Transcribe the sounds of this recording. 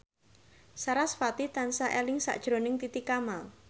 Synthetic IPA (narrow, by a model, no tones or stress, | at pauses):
saɾasfat̪it̪ansaʔelɪŋsa̰ʔd̥ʒ̥ɾo̤nɪŋt̪it̪ikamal